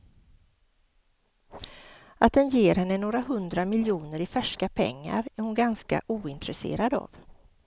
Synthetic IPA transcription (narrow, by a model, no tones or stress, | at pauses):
ʔat̪̚d̪ɛnjeːɾhɛnːənoːɾaɦɵnd̪ɾamɪljuːnəɾɪfæʂkapʰɛ̰ŋːa̰ɾæɾhʊnɡanska̰ʔuːɪnt̪ɾɛsḛːɾad̪a̰v